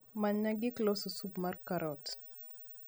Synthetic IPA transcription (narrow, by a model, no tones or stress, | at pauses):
maɲaɡiklɔsusubmarkaɾɔt